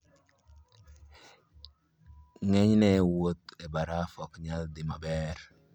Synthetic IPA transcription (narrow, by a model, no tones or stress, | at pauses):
ŋɛɲnɛwot̪ɛbaɾafɔkɲald̪ɪmabɛɾ